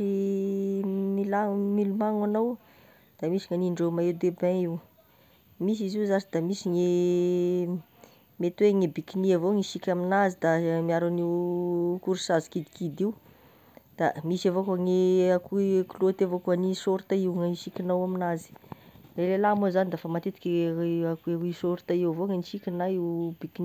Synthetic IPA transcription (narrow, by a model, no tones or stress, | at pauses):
i | milamilumaŋanaw | d̪̥amisiŋaniɳɖ͡ʐomaid̪ebɛ̃iw | mis̬iziuzaɾid̪amisiŋe | met̪weŋebikiniavoŋiʃikʲaminazid̪amiaɾaniwkuɾsazi̥kid̪i̥kid̪iw | d̪̥amisavokaŋeakuklot̪avokanisoɾt̪aiwŋaiʃikinawaminazi̥relelamozanid̪afamat̪et̪i̥kʲakisoɾt̪aiwvoŋeniʃikʲinaiwbikini